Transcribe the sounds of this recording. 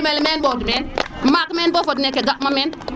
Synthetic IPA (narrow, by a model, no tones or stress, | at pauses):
melmenɓodumenmakmenbofod̬inekeɡakmamen